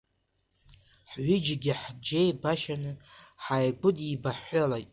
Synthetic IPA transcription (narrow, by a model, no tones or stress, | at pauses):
ħʕʷɪd͡ʒɡʲɪħd͡ʒejbaʃanɨħajɡʷʊdibaħalajtʼ